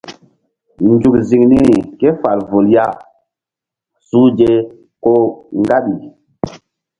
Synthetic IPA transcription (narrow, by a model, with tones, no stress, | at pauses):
nd͡ʒu˨kzi˨ŋni˦ɾi˨ke˦fa˨lvo˨lja˦˨ | su˦d͡ʒe˦ | ko˦ŋɡa˦ɓi˨